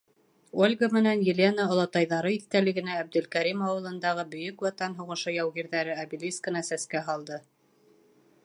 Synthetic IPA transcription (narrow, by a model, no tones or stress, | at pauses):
olʲɡəmɘ̆nænjɘ̆lʲenəŏlˠɑt̪ɑjðɑɾɤiθt̪ælɘ̆ɡɘ̆næːb̚d̪ɵ̆lkæɾimɑwɤ̆lˠɤ̆nd̪ɑʁɤbɵ̆jɵkwɑt̪ɑnɦŭʁɤ̆ʃojæwɣiɾðæɾɘabilʲiskə̆nɑsæskæɦɑlˠd̪ɤ